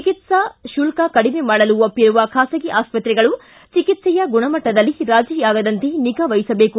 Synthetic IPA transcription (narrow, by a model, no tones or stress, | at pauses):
t͡ʃikit̪sɐʃulkɐkɐɽimemaːɽɐluopːiɾuʋɐkʰaːsɐɡiʔaːspɐt̪ɾɛɡɐɭu | t͡ʃikit̪sɛjɐɡuɳɐmɐʈːɐd̪ɐlːiɾaːd͡ʒiːjaːɡɐd̪ɐnt̪eniɡɐʋɐjisɐbe̞ːku